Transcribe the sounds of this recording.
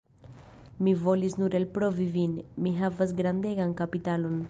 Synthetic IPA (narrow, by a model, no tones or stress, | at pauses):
mivoliznuɾelpɾovivinmiɦavazɡɾand̪eɣaŋkapit̪alun